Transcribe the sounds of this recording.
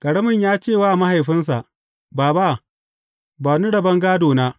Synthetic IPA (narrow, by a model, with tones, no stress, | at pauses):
kʼɐ˨ɽɐ˦mɪ˨ɲjaː˦t͡ʃeː˦˨waː˦˨ma˦ha˨jɸɪ˦ns̬a˨ʔ | baː˨ba˦˨ | baː˨ni˦ɽɐ˨bɐ˦ŋɡaː˦doː˨naː˦